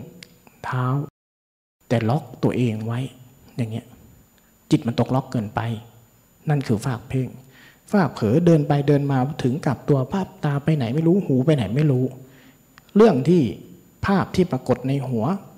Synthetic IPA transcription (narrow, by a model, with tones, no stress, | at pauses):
t̪ʰaː˦˥w | t̪ɛː˨˩lɔ˦˥k̚t̪u˧ɐʔeː˧ŋwa˦˥jjaː˨˩ŋːi˦˥ɐʔ | t͡ɕi˨˩t̪̚m˧nt̪o˨˩k̚lɔ˦˥kːɤː˧npa˧j | na˥˩nkʰɯː˧faː˥˩k̚pʰeː˥˩ŋ | faː˥˩k̚pʰɤː˩˦dɤː˧npa˧jdɤː˧nmaː˧t̪ʰɯ˩˦ŋka˨˩p̚t̪u˧ɐpʰaː˥˩p̚t̪aː˧pa˧jna˩˦jma˥˩jɾuː˦˥huː˩˦pa˧jna˩˦jma˥˩jɾuː˦˥ | ɾɯ˥˩əŋt̪ʰiː˥˩ | pʰaː˥˩p̚t̪ʰiː˥˩pɾaː˧ko˨˩t̪̚na˧jɦu˨˩˦ɐ